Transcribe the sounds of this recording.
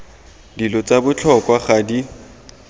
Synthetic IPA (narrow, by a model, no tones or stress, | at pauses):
dilɔt͡sabʊt͡ɬʰɔkʼwaχadi